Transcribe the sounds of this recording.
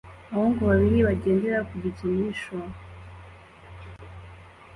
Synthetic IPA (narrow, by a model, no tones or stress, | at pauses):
aβoŋɡoβaβiɾiβaɟeːnde̞ɾakuɟitimiʃo